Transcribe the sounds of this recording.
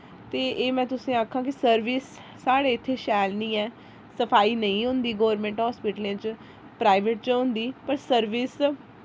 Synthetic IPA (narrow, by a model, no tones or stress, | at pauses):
t̪eːʔeːmɛ̃ːt̪ʊsĩːaːkʰːãːkɪsəɾʋiːsː | aːɽeːɪt̪ʰːeːʃɛːlnĩːɛː | səpʰaːiːnəĩːɦʊ̃nd̪iːɡoːɾmẽːɳʈɦɔːspiːʈlẽːt͡ʃ | pɾaːɪʋeːʈt͡ʃʊ̃nd̪iːpəɾsəɾʋɪːs